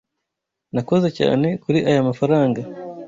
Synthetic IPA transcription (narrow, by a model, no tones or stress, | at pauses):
nako̞ze̞ca̰ːne̞kuɾiʔajamafaɾaːŋɡa